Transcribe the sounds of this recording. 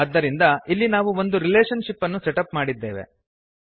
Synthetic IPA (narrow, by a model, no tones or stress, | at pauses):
ɐd̪ːɐɾind̪ɐilːinaːʋuo̞nd̪uɾileːʂɐnʂipːɐnːusɛʈɐpmaːɽid̪ːeːʋe̞̰